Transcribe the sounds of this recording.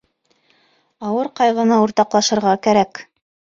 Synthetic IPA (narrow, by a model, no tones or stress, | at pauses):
ɑwɤɾqɑjʁɤ̆nɤuɾt̪ɑqlˠɑʃɤ̆ɾʁɑkæɾæk